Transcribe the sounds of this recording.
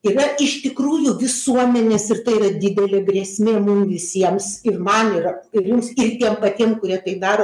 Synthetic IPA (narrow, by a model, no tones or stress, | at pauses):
irɐɪʃt̪ʲɪkruːjʊʋʲɪsuɔmʲɛnʲeːsɪrt̪ɐɪiɾɐd̪ʲɪd̪ʲɛlʲeːɡɾʲɛsʲmʲeːmʊmʋʲɪsʲiɛmsɪrmɐniːrɐɪrjʊmsɪrt̪ʲiɛmpɐt̪ʲiɛmkʊɾʲiɛt̪ɐɪpd̪ɑːɾoː